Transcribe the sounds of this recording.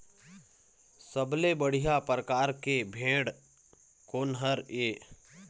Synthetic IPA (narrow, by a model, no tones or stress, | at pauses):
səblebəɽ̤ijapɾəkaːɾkebʱẽːɽ | koːnɦəɾeː